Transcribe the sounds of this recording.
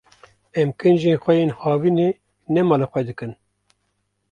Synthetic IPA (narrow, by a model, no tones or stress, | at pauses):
ɛmkɨnd͡ʒeːnxʷɛjeːnhɑːviːneː | nɛmɑːlɑxʷɛd̪ɨkɨn